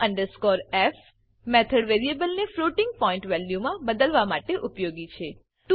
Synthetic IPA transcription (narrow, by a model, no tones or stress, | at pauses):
ə̃ɳɖəɾskɔɾɛf | mɛt̪ʰəɽʋeɾiebəlnefɾoʈɪ̃ŋɡ̚pɔɪ̃ɳʈʋɛljumãbəd̪əlʋamaʈeʔupjoɡit͡ʃʰe | ʈ